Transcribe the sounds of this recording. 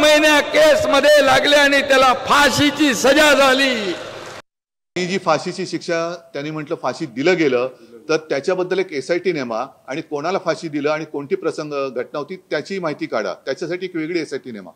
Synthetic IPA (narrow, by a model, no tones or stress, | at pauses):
məjnjakesməd̪ʱːjelaɡleaɽ̃it̪jalafaɕit͡ɕiːsəd͡ʑad͡zʱaliː | id͡ʑiːfaɕit͡ɕiːɕikʂat̪janiːm̤əʈləːfaɕiːd̪iləːɡeləːt̪əɾt̪jat͡ɕjabəd̪ːəlekesajʈiːnemaaɽ̃ikoɽ̃alafaɕiːd̪iləaɽ̃ikoɳʈiːpɾəsəŋɡɡʱəʈnaɦot̪iːt̪jat͡ɕiːmaɦit̪iːka̰ɽa̰t̪jat͡ɕjasaʈiːekʋeɡɭiːesaiʈiːnema̰